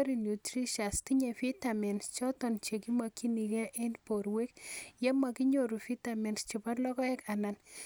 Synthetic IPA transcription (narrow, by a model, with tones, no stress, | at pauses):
ɾi˨nju˨tri˦ʃa˨stiɲɛ˨fi˦tamɛ˨nst͡ʃɔtɔnt͡ʃe˨ki˦maki˦nikɛ˦ʔe˦npoɾwe˦kjɛ˦ma˨ki˦ɲoɾu˨fi˦tamɛ˨nst͡ʃipa˦rlɔ˦kɔ˦ɛ˦kanan